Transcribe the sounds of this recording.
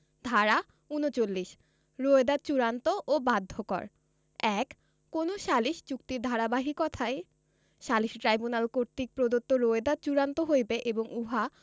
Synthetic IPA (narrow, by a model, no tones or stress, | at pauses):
d̪ʱaɾa | unot͡ɕolːiʃ | ɾoed̪at͡ɕuɾant̪oʔobad̪ʱːokɔ̰ɾ | ɛkː | onoʃaliʃd͡ʑukt̪iɾd̪ʱaɾabaɦikɔt̪ʰae | ʃaliʃʈɾajbunalkoɾt̪ik̚pɾod̪ot̪ːoɾoed̪at͡ɕuɾant̪oɦojbeʔeboŋuɦa